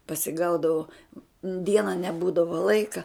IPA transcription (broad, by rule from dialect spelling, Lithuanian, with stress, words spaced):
pɐsʲɪˈɡɐʊdɐʋoː ˈdʲiɛnɐ nʲɛˈbuːdɐʋoː ˈlˠɐɪkɐ